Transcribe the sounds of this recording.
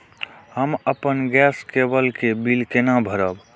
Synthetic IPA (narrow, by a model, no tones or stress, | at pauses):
həməpənɡɛskebəlkebilkenabʱəɾəb